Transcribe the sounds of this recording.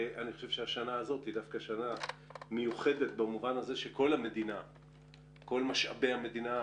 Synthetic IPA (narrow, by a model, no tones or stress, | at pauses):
ʔaniχoʃevʃeaʃanaːzo̞tid̪afkaʃanamejuχe̞det̪̚bamuvanaze̞ʃeko̞lhame̞d̪ina | ko̞lmaʃa̰be̞jhame̞d̪ina